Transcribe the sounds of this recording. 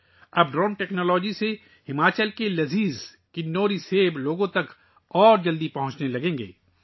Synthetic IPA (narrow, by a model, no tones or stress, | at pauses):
ɐb̚ɖɾɔːnʈɛːknɔːlɔːd͡ʒise | hɪmaːt͡ʃəlkelɐziːz | kɪnːoːɾiseːbloːɡõt̪ɐk | ɔːɾd͡ʒɐld̪ipɐɦʊ̃t͡ʃnelɐɡẽːŋɡḛː